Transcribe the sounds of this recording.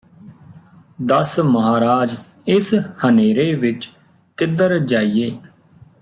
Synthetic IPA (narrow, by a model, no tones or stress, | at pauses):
d̪əsməɦaːɾaːd͡ʒ | ɪshəneːɾeːʋɪt͡ʃ | k̪ɪd̪əɾd͡ʒaːijeː